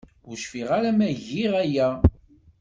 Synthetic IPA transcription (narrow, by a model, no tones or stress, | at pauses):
ʊɾʃfiʁaɾæmæʝiʁæjæ